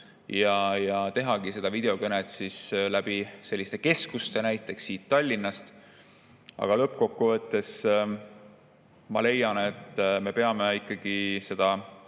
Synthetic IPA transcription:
jɑjɑt̪e̞ɦɑɡ̥ise̞d̪ɑvid̪̥e̞o̞kɤnet̪ˑsislæb̥ise̞lʲːist̪eke̞skust̪e̞næjt̪ːˑe̞ksːiːt̪ːɑlʲːinːɑst̪ | ɑ̰ɡ̥ɑlɤpːko̞kːuvɤt̪ːe̞s | mɑle̞jɑne̞t̪ːˑme̞pe̞ɑmeikːˑɑɡ̥ise̞d̪̥ɑ

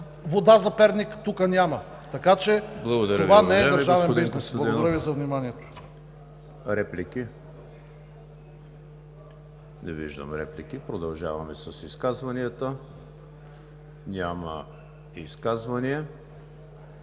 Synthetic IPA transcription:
vod̪azɐpɛɾnikt̪ukənʲamɐ | t̪ɐkat͡ʃɛblˠɐɡod̪ɐɾɐovanɛɛd̪ɾʒavɛnd̪biznɛslˠɐɡonɐɾəvizɐvnimaniɛt̪o̥ | ɾɛpliki | nɛviʒd̪ə̰mɾɛ̰plikipɾod̪ɐlˠʒa̰vɐmɛsɐsiskazvɐniət̪ə | nʲamə̰ | iskazvɐniɛ

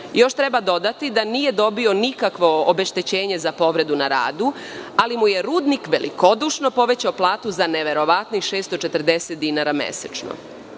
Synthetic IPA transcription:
jo̞ʃt̪ɾe̞bad̪o̞d̪at̪id̪aniːje̞d̪o̞bio̞nikakʋo̞obe̞ʃt̪et͡ɕeːɲe̞zapo̞ʋɾe̞d̪unaɾa̰ːd̪u | alimuje̞ɾuːd̪nikʋe̞lḭko̞d̪uʃno̞po̞ʋet͡ɕaoplˠaːt̪uzaneʋe̞ɾo̞ʋat̪nixʃe̞ːst̪ot͡ʃe̞t̪ɾd̪eset̪̚d̪inaɾamḛset͡ʃno̰

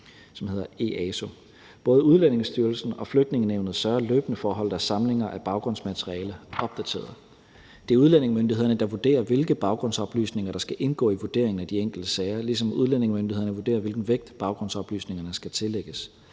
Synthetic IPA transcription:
sɒ̽mhe̝ð̞̰ˠɐe̝̰ɛso̝ | b̥ɔ̽ːðˠəuð̞ˠlene̝ŋsd̥yːɐlsn̩ɒ̽fløɡ̥̚d̥ne̝ŋəneʊnð̩ˠsdɶɐløːb̥ənəfɒːɦɒ̽l̰d̩ˠæsɑ̈mle̝ŋɐʔæb̥ɑ̈ʊɡ̥ʁɔ̽n̰smæt͡sʰeʁiɛ̰ːləʔɒ̽b̥̚d̥æt͡sʰe̝̰ːɐðˠ | d̥eæɐuð̞ˠlen̰e̝ŋmønd̥ihḛɐnəd̥ɑ̈ʋud̥e̝̰ːɐʋe̝lɡ̥əb̥ɑ̈ʊɡ̥ʁɔ̽n̰sɒ̽b̥ly̰ːsne̝ŋɐɾ̥ɑ̈sɡ̥æʔe̝nɡ̥ɔ̰ːiʋud̥e̝̰ɐ̰eŋ̩æd̥ieŋ̰ɡ̥l̩d̥əsɛɪɐlis̬ɒ̽muð̞ˠlen̰e̝ŋmøndiheɐnəʋude̝̰ːɐʋe̝lɡ̥n̩ʋeɡ̥̚d̥b̥ɑ̈ʊɡ̥ʁɔ̽n̰sɒ̽b̥ly̰ːsne̝ŋɐnəsɡ̥æt͡sʰe̝leɡ̥əs

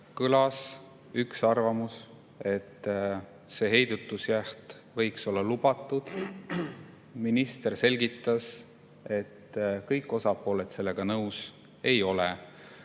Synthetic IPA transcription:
kɯlɑs | yksɑrvɑmus | e̞t̪ː | se̞ːɦe̞jd̪̥ut̪ːˑusjæht̪ | vɤ̞jkso̞lːɑlubɑt̪ːˑud̪̥ | minist̪e̞rse̞lʲɡit̪ːˑɑs | e̞t̪ːkɤjkːˑo̞sɑpˑo̞ːlet̪se̞lːeɡ̥ɑnɤws | e̞jo̞le

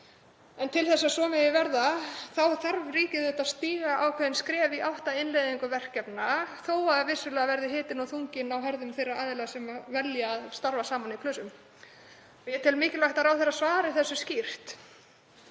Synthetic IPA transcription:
ɛnt̪ʰɪlθɛsːasɔːmɛjɪvɛɾðaθawθaɾvriːcɪðʏht̪ast̪iːɣaawkʰvɛðɪnskɾɛːviawht̪aɪnlejðiŋkʏvɛr̥cɛpnaθoːwaðavɪsːʏlɛːɣavɛɾðɪɦɪːt̪ɪnawθuŋcɪnawɦɛɾðʏmθejrːaaːðɪlasɛmavɛljaːðst̪aɾvasaːmanikʰlœːsʏm | ɪɛt̪ʰɪlmɪːcɪlvajht̪aɾawθeɛɾːasvaːɾɪθɛsːʏscir̥t̪

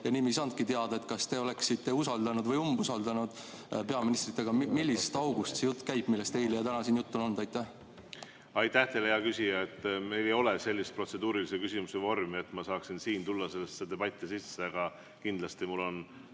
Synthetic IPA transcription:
jɑniːmijs̬ɑnt̪̚kit̪eɑd̪ɑe̞t̪̚ˑkɑst̪e̞o̞le̞ksit̪ːe̞usɑld̪̥ɑnud̪vɤjumbusɑld̪ɑnud̪̥pe̞ɑminist̪rit̪ˑːe̞ɡ̥ɑmilʲːisst̪ɑwɡust̪sejut̪ːˑkæjb̥milːest̪e̞jlejɑt̪ænɑsiːnjut̪ːˑono̞nd̪ɑjt̪ːæh | ɑjt̪ːæht̪e̞lhejɑkysʲijɑet̪ːme̞jlejo̞lese̞lʲːist̪̚pro̞t̪se̞d̪uːɾilisekysimusevo̞rmie̞t̪ːˑmɑsɑːksinsiːnt̪ulːɑse̞lːesːed̪̥e̞b̥ɑt̪ʲːˑisisːeɑɡ̥ɑ | kind̪lɑst̪imulːo̞n

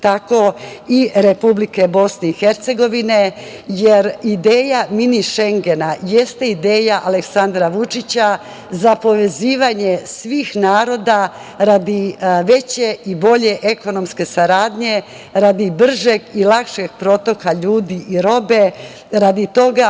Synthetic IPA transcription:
t̪ako̞iɾe̞publike̞bo̞sne̞ixeɾt̪se̞ɡo̞ʋine̞ | jeɾid̪eːjaminiʃe̞ŋɡe̞najest̪eid̪eːjaʔale̞ksand̪ɾaʋut͡ʂit͡ɕa | zapo̞ʋe̞ziːʋaɲesʋiːxnaːɾo̞d̪a | ɾad̪iʋe̞t͡ɕe̞ibo̞ʎe̞ʔe̞ko̞no̞mske̞saɾaːd̪ɲe̞ | ɾad̪ibr̩ʒeɡilˠakʃe̞ɡ̥̚pɾo̞t̪o̞kaʎuːd̪iʔiɾo̞be̞ | ɾad̪it̪o̞ɡa

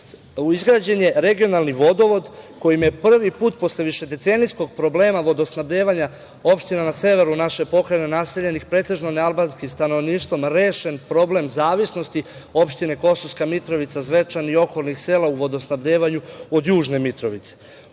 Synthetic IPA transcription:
izɡɾaːd͡ʑe̞nje̞ɾe̞ɡio̞nalˠniʋo̞d̪o̞ʋo̞d̪ko̞jimje̞pr̩ʋipuːt̪̚po̞sle̞ʋiʃe̞d̪e̞t̪senijsko̞ɡ̚pɾo̞ble̞ːmaʋo̞d̪o̞snabd̪eʋaɲa | o̞pʃt̪inanase̞ʋe̞ɾunaʃe̞po̞kɾenenase̞ʎe̞nixpɾe̞ːt̪e̞ʒnonealbanskimst̪ano̞ʋniːʃt̪ʋo̞mɾeːʃe̞npɾo̞ble̞mzaːʋisno̞st̪io̞pʃt̪ine̞ko̞soskamit̪ɾo̞ʋit̪sazʋe̞t͡ʃanio̞kolnixseːlauʋo̞d̪osnabd̪eːʋaɲuod̪juːʒne̞mit̪ɾo̞ʋit̪se

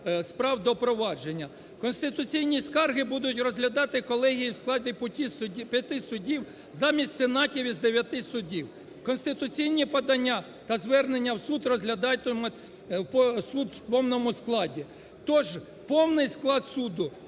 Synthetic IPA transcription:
spɾɑwd̪ɔpɾɔʋɑd͡ʒenʲːɐ | kɔnst̪ɪt̪ʊt͡sʲijnʲiskɑrɦɪbud̪ʊtʲrɔzɦlʲɐd̪ɑt̪ɪkɔlˠɛɦʲijiwsklˠɑdʲɪpʊtʲipʲjɐt̪ɪsʊdʲiw | zɑmʲisʲtʲsenɑtʲiʋʲizd̪eʋʲjɐt̪ɪsʊdʲiw | kɔnst̪ɪt̪ʊt͡sʲijnʲipɐd̪ɐnʲːa | t̪ɐzʋɛrnenʲːɐwsud̪rɔzɦlʲɐd̪ɑjt̪ɪmɔ | psud̪wpɔwnɔmʊsklˠɑdʲi | t̪ɔʒ | pɔwnɪjsklˠɑd̪sud̪ʊ

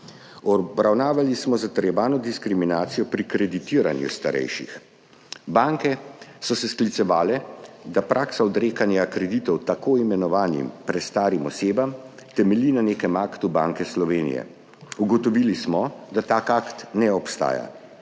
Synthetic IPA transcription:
ɔbɾawnaːʋalismɔzat̪əɾjɛʋaːnɔd̪iskɾiminaːt̪sijɔpɾikɾɛd̪it̪iːɾa̰njṵst̪a̰ɾɛ̰jʃḭx | baŋkɛsɔsɛsklit̪sɛʋaːlɛd̪apɾʔaksaɔd̪ɾeːkanjakɾɛd̪it̪ɔwt̪akoːimɛnɔʋaːnḭmpɾɛt̪st̪aːɾimɔseːbam | t̪ɛmɛliːnaneːkɛmaːkt̪uba̰ːŋkɛslɔʋeːnḭjɛ̰ | uɡɔt̪ɔʋilismɔd̪at̪aːkakt̪nɛɔpst̪a̰ːja̰

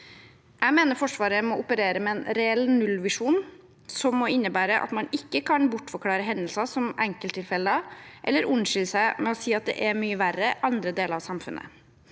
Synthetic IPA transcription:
jʔæɪmeːnəɾfɔʂʋɑːɾəmɔʊpəɾeːɾəmɛɛːnɾɛɛlːnʉlʋɪʂuːn | sɔmːɔɪnːəbæːɾəʔɑ̰t̪mɑnɪkːəkʰɑnbʊʈːfɔɾkʰlɑːɾəɦɛnəlsɑsɔmʔæŋkəlt̪ʰːɪlfɛlːəɑʔɛ̰lːəɾʉnʂɪlsæɪmɛɔsiːɑt̪̚d̪ɛ̰ʔɛmyːəʋærːəʔɑnd̪ɾəd̪eːləɾɑʋsɑmfʉ̰nʔə̰

